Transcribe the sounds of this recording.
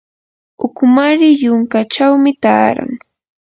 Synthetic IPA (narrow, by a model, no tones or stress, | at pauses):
ʊkmaɾɪjʊŋkat͡ʃawmɪt̪aːɾa̰ŋ